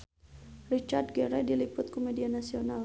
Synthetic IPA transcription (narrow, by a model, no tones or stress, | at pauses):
rit͡ʃard̚ɡɛɾɛdilipʊt̪̚komedianasiona